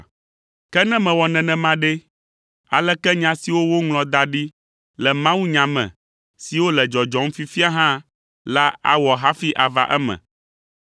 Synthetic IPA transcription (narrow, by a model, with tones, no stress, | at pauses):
kɛ˦nɛ̃˦mɛ̃˨wɔ˨nɛ̃˨nɛ̃˨mã˦ɖe˦ | a˨lɛ˦kɛ˦ɲã˨si˨wo˦wo˦ŋlɔ̃˨d̪a˨ɖi˦ | lɛ˨mã˦wu˦ɲã˨mɛ̰̃˨ | si˨wo˦lɛ˨d͡ʒɔ˨d͡ʒɔ˨m̩˦fi˦fi˦a˦ɦã˦ | la˦a̰˦wɔ˨ɦa˦fi˦ʔa˨va̰˨ʔɛ˦mɛ̰̃˨